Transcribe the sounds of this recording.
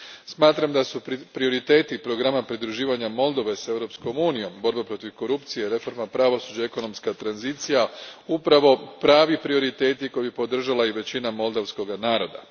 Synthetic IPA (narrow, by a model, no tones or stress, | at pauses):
smaːt̪ɾamd̪asupɾio̞ɾit̪e̞ːt̪ipɾo̞ɡɾamapɾid̪ɾuʒiːʋaɲamo̞lˠd̪o̞ʋe̞se̞ʋɾo̞psko̞muːnijo̞mbo̞ɾbepɾo̞t̪iʋko̞ɾupt̪sijeɾe̞fo̞ɾmapɾaʋo̞sud͡ʑaeko̞no̞mskat̪ɾanzit̪sijaupɾaʋo̞pɾaːʋipɾio̞ɾit̪e̞ːt̪iko̞jibipo̞d̪r̩ʒalaiʋe̞t͡ɕinamo̞lˠd̪aʋsko̞ɡanaːɾo̞d̪a̰